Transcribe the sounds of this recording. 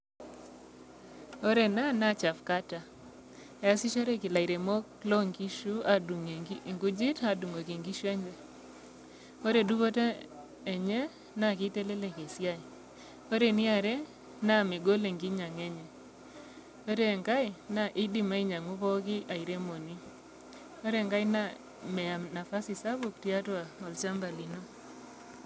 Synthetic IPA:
o˦ɾe˨na˦na˦˨t͡ʃa˨fka˦ta˨ | e˨a˦si˦t͡ʃo˦ɾe˦kɪ˨la˨i˨ɾe˨mo˦klo˦ŋɡi˦ʃu˦a˦du˨ŋe˨i˦˨ŋɡu˦d͡ʒɪ˦ta˦du˨ŋo˨ki˨ŋɡi˦ʃu˦ɛ˦ɲɡɛ˦ | o˦ɾe˨du˦ko˦te˦ | ɛ˨ɲɛ˦ | na˦˨kɪ˦te˦le˦le˨ke˨sja˦˨ | o˦ɾe˨nɪ˦a˨ɾɛ˦ | na˦me˨ɡo˦le˨ŋɡi˦ɲa˨ŋɛ˦ɲɛ˨ | o˦ɾe˨ŋɡa˦i˨na˦˨ʔɪ˦di˨ma˦i˦ɲa˨ŋu˦pɔ˦kɪ˦ʔa˨i˨ɾe˦mo˨ni˦ | o˦ɾe˨ŋɡa˦jna˦ | mɛ˨a˨mna˨fa˦si˨sa˦bu˨k̚ti˦a˦twa˨ɔ˨lt͡ʃa˦mba˨li˨no˦

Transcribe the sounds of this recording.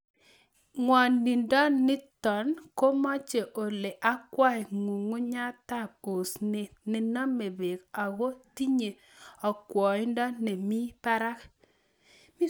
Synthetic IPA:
ŋwɔ˨nːɪ˨ndɔ˦nɪ˦tɔ˨nko˦mɔ˦t͡ʃe˨ʔo˨le˨ʔa˦kwa˦˨ɪ˨ŋu˨ŋu˦ɲa˦ta˦˨po˨sne˨nɪ˨nɔ˦me˨be˨ka˨ɣo˦ti˦ɲe˨ | ɔ˨kwɔ˨ɪ˦ndɔ˦ne˨mi˦pa˦ɾa˦k | mi˦

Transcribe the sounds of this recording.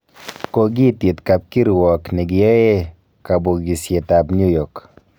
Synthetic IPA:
ko˨ɡɪ˦˨tje˨t̪ka˨p̚ki˦ɾi˨wɔ˨knɛ˨ɡɪ˨jɛ˦je˦ | ka˨bo˨ɡi˨sje˨ta˨bɲu˦jɔ˨k

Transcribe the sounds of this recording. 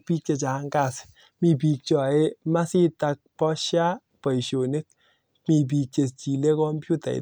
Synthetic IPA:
pi˦k̚t͡ʃe˧t͡ʃa˨˦ŋka˦˨s | mi˨p̬i˨k̚t͡ʃɔ˨e˦ma˦si˦ta˧k̚pɔ˦ʃja˦ | pa˨i˨ʃo˨ne˦k̚ | mi˨p̬i˨k̚t͡ʃe˨st͡ʃi˨le˦kɔ˦mpju˦ta̰˨ḭ˨

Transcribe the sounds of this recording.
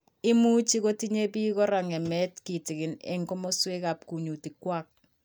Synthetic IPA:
ɪ˦mu˦t͡ʃi˦ko˦ti˦ɲe˦bi˦kɔ˦ɾa˨ŋɛ˨mɛ˦tki˨tɪ˨kɪ˨nɛ̰˨ŋkɔ˦mɔ˦swe˦ka˨p̚ku˨ɲu˨ti˨kwa˦k̚

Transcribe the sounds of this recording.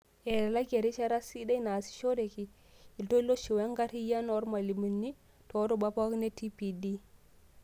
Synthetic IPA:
ɛ˨ɾla˦ɡe˨ɾi˦t͡ʃa˦ɾa˦si˦da˦jna˨si̥˨ʃo˦deki˨ | i˨lto˦lo˦ʃi˨wa˦ŋɡa˦ɾi˦ja˦nɔ˦ɾma˨li˨mi˨nːi˦ | tɔ˦ɾɔ˨bapa˦kne˦ti˦pi˨di˦

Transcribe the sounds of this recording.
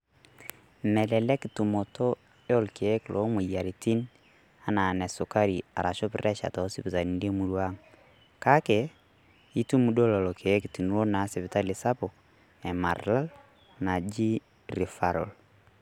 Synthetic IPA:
mɛ˨lɛ˨lɛ˦ki˨tu˨mɔ˨to˦ | jɔ˦lke˨˦klʔo˨˦mu˨ja˨ɾi˨ti˦n | a˦na˨nɛ˨sʊ˨ka˦ɾi˨a˨ɾa˨ʃɔ˦pɪ̰˦ɾɛ˦ʃa̰˨tɔ˨˦si˦pi˨ta˨ni˨nde˦mu˨ɾwa˦ŋ | ka˦kɛ˨ | i˦tu˦mu˨do˦lɔ˨lɔ˨kʰe˨˦ki˨ti˨nu˦o˦na˨˦sɛ˨βɪ˨ta˦lɪ˨sa˦pɔ˨ | ɛ˨ma˨ɾla˦l | na˨d͡ʒi˦ | ɾi˨fa˨ɾɔ̰˨l

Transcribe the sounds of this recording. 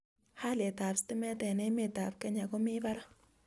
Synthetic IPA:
ha˦lɛ˨taː˨pstɪ˦mɛ˦tɛ˨ne˦me˨ta˨fkɛ˦ɲa˨ko˦mɪ˦ba˦ɾa˦

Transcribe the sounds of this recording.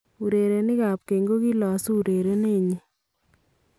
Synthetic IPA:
u˨ɾe˨ɾe˨nɪ˦ka˨p̚ke˨ŋɡo˦ki˦lɔ˨su˦˨ɾe˨ɾe˦ne˦˨ɲi˦

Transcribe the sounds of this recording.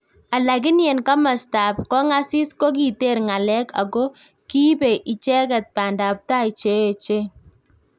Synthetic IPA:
a˨la˨kɪ˦njɛ˨nka˦ma˨sta˨p̚kɔ˦ŋa˦sɪ˦sko˦k̬i˨te˦˨ɾŋa˨lɛ˦ka̰˨ɡo˦ | ki˦be˨ʔi˨t͡ʃɛ˦kɛ˨t̚pa˨nda˨p̚ta˦i˨t͡ʃe˦˨t͡ʃe˦

